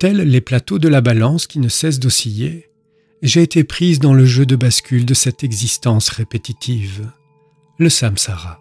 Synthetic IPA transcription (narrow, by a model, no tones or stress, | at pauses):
t̪ɛlːeplat̪od̪əlabalɑ̃skʲinəsɛs̬d̪osije | ʒeːt̪epχizd̪ɑ̃ləʒød̪əbaskʲyld̪əsɛt̪ɛɡzist̪ɑ̃sʁepet̪it̪ʰiv | ləsamsaʁa